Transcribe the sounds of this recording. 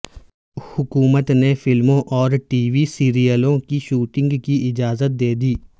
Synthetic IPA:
hʊkuːmət̪nefɪlmõʔɔːɾʈiːʋisiːɾijəlõkiʃuːʈɪ̃ŋɡkiʔɪd͡ʒaːzət̪̚d̪eːd̪iː

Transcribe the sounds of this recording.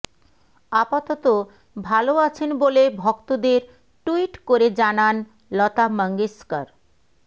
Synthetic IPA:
apat̪ot̪o | bʱaloat͡ɕʰenbolebʱɔkt̪od̪eɾ | ʈuiʈkoɾed͡ʑanan | lɔt̪aməŋɡiskaɾ

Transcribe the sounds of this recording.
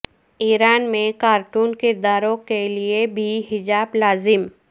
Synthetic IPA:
iːɾaːnmẽkaːɾʈuːnkɪɾd̪aːɾõkeliebʱiɦɪd͡ʒaːblaːzɪm

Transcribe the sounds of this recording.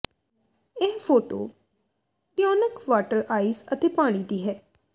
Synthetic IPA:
ɛːpʰoːʈo̰ː | ʈɪjɔːnəkʋaːʈəɾaːisət̪eːpaːɽ̃iːd̪iːɦɛː

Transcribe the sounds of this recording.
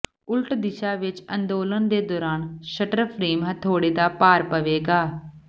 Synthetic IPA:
ʊlʈd̪ɪʃaːʋɪt͡ʃə̰nd̪oːlənd̪eːd̪ɔːɾaːnʃəʈəɾpʰɾeːmɦət̪ʰoːɽeːd̪aːpaːɾpəʋeːɡaː

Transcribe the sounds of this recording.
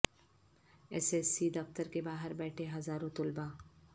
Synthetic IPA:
ɛseːsid̪ɐft̪əɾkebaːɦəɾbɛːʈʰeɦɐzaːɾõt̪ʊlba

